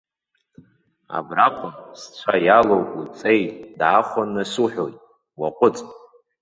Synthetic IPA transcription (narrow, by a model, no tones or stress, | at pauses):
a̰braqʷʼʊmst͡ɕʷʰajalowʼut͡sʼe̞jtʼdaːχʷanːasuħʷᶣojtʼ | waqʷʼʊt͡sʼtʼ